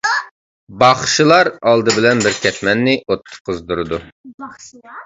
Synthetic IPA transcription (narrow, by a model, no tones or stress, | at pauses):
bɑχʃilˠɑɾɑlˠd̪ɨbɪlɛnbɪɾkʲɛt̪ʰmɛnːɪot̪ʰːʊ̥qʰːəzd̪uɾɨd̪u